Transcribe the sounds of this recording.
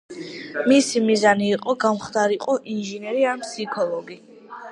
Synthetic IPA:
misimizaniːqʼɔɡamχd̪aɾiqʼɔʔinʒinɛɾianpʰsikʰɔlˠɔɡi

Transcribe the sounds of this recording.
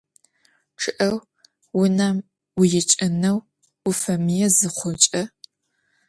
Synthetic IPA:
ʈ͡ʂʰɨʔɐw | wʊnaːm | wʊjɛt͡ʃʼɐnɐw | ʊfɐmijɛzɨχʷɔt͡ʃʼɐ

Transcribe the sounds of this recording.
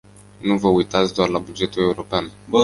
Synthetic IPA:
nuvəujt̪at̪sʲd̪oarlabud͡ʒe̞t̪ule̞uɾo̞pean

